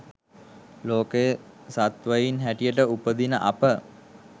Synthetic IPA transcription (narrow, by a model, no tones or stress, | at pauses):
loːkejə | sat̪ʋəjinɦæʈijəʈəupəd̪inəʔapə